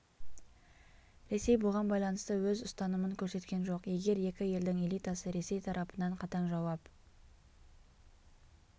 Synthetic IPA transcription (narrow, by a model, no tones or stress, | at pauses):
ɾe̞se̞jbʊʁɑnbɑjlˠɑnəst̪əwɵzʊst̪ɑnəməŋkʲʰɵɾse̞t̪kʲe̞nʒo̞qje̞ɡʲe̞ɾe̞kʲɪje̞ld̪ɪŋe̞lijt̪ɑsəɾe̞se̞jt̪ʰɑɾʔɑpənɑɴqʰɑt̪ɑɴʒɑwɑp